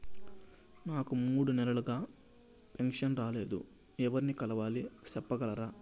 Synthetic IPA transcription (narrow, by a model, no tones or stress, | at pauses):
naːkumuːɽunɛlɐluɡaː | peŋkʂɐnɾaːle̞ːd̪ṵ | ɛʋɐɾinikɐlɐʋaːlisɛpːɐɡɐlɐɾaː